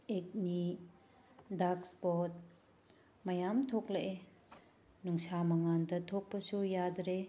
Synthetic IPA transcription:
ek̚ni | dakspot̚ | mɐjamtʰokleʔe | nuŋsamɐŋandɐtʰok̚pɐsujadɾe

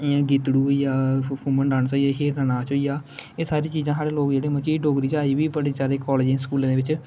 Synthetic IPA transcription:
ãːɡɪt̪ɽuːjaːpʰuːməɳɖaːɳt͡ʃaːiaɦeːɾənaːt͡ʃɦoːiːjaːeːsaːɾiːt͡ʃiːzãːsaːɽeːloːkd͡ʒeːɽeːməkiːɖoːɡɾiːt͡ʃaːiːʋiːbəɽeːt͡ʃaːɾeːkɔːled͡ʒskuːlãːdeːʋɪt͡ʃ

